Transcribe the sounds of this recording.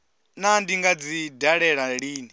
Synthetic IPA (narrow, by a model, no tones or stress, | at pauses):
nandiŋɡad͡zidaɺɛɺaɺiːni